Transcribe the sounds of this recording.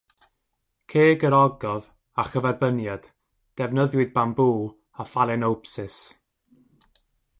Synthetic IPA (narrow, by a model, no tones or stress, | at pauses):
kʰeːɡəɾɔɡɔv | aχəvɛrbənjad̥ | d̥ɛvnəðjwɨd̚bambuː | afalˠɛnowpsɪs